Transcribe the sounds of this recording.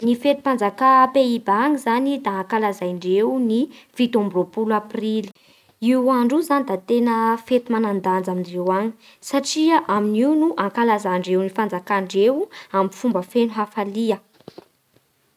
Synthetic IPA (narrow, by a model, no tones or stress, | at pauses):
nifet̪u̥pand͡zakapeibaŋizanid̪aːŋkalazajɳɖ͡ʐewnifit̪omburopulaprili̥ | iwaɳɖ͡ʐuzanid̪at̪enəfet̪umanand̪and͡zamiɳɖ͡ʐewaŋi̥ | saʈ͡ʂiaʔaminiunuʔaŋkalazaɳɖ͡ʐewnifand͡zakaɳɖ͡ʐewuamifumbəfenuɦafaliə